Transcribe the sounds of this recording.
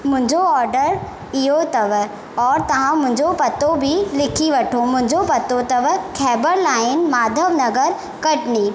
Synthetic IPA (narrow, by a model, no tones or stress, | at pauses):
mʊ̃ɦɪ̃ɲd͡ʑoɔːɾɖəɾ | ɪɦot̪ɐʋ | ɔːɾt̪ɐʋ̤ãmʊ̃ɦɪ̃ɲd͡ʑopɐt̪obʱilɪkʰiʋɐʈʰomʊ̃ɦɪ̃ɲd͡ʑopɐt̪ot̪ɐʋkʰɛːbəɾlaːɪnmaːd̪ʱəʋnɐɡəɾ | kɐʈniː